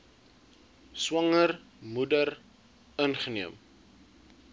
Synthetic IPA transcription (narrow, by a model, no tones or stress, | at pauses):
swɐŋər | mudər | ənχəniəm